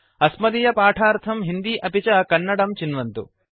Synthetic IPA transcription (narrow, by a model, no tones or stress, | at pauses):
ɐsmɐd̪ijɐpaːʈʰaːɾt̪ʰɐmɦind̪iːʔɐpit͡ʃɐkɐnːɐɽɐmt͡ʃinʋɐnt̪ṵ